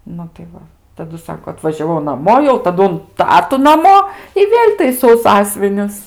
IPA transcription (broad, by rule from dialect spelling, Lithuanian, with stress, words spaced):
ˈnʊ tɐɪ ˈʋɐ tɐˈdʊ ˈsɑːkoː ɐtʋɐʒʲɛˈʋɐʊ nɐˈmoː jɛʊ tɐˈdʊ ʊn ˈtɑːtʊ nɐˈmoː ɪ ˈʋʲeːlʲ tɐɪˈsɐʊ ˈsɑːsʲʋʲɪnʲʊs